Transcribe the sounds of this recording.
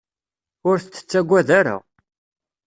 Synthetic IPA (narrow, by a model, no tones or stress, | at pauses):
ʊɾθət͡sːə̥t͡sːæɡʷːæðaɾa̰